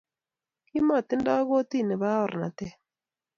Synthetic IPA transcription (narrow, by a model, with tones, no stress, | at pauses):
kɪ˦mɔ˦˨t̪ɪ˦ndɔ˦ɣo˦t̪i˦˨nɛ˨ba˦ɔ˦˨ɾna̰˨t̪ɛ˦